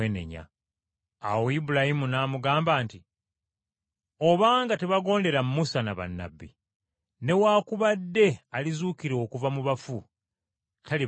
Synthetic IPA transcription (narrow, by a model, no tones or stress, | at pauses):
ene̞̰ɲa̰ː | woibulahimunaːmuɡaːmbaːnti | o̞βaːŋɡate̞βaɡo̞ːnde̞ɾamumusanaβa̰nːa̰bːḭ | ne̞waːkuβadːe̞alizuːkiɾo̞ːkuvamuβafu | tali